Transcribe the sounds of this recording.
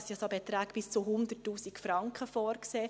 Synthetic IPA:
sisobɛt̪ɾæːkb̥ɪst͡suɦʊnd̪ətːuːsikfɾɑŋkχəfɔːɾkseː

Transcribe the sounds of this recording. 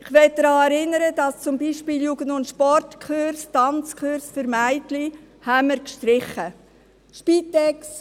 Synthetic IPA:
ɪχʋɛt̚d̪̥ɾɑːɛɾɪnːəɾədɑst͡sʊmbiːʃpiːljuːɡ̥əndʊntʃpɔrtkʰχøɾstɑnt͡skχøɾsføɾmæɪtli | hæmːəɾkʃtɾɪχə | ʃpiːtɛks

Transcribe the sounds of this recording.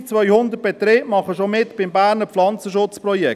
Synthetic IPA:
t͡svœʏhʊnd̪ət̚b̥ɛt̪ɾeːʔmɑχəʃomɪt̪b̥ɪmbæːɾnəflɑnt͡səʃʊt͡spɾɔjɛk

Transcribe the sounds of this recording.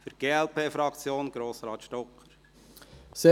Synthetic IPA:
fʏɾɡ̥eːɛlpʰeːfɾɑkt͡sjoːnɡ̥ɾoːsɾɑːt̪ʃtɔkχəɾ | se

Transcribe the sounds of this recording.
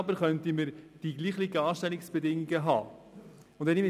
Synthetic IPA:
ɑbəɾχœntiməɾd̥iɡliːχliɡəɑːʃtɛlɪksb̥ɛdɪŋːiɡəɦɑ̰ː | ʊnt̪ɛnimɪ

